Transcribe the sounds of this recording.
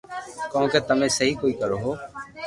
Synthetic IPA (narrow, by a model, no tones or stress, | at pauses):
kɔ̃ːkeːt̪əmẽːsəɦiːkoːiːkəɾoːɦoː